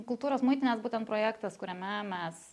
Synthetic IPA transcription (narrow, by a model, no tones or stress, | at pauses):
kʊlˠt̪uːɾoːsmʊɪt̪ʲɪnʲeːsbuːt̪ʲɛnt̪pɾoːjæːkt̪ɐskʊɾʲɛmʲɛmʲɛs